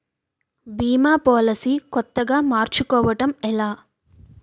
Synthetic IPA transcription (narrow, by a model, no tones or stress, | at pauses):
biːmaːpɔːlɐsikɔt̪ːɐɡaːmaːɾt͡ʃukɔːʋɐʈɐmɛlaː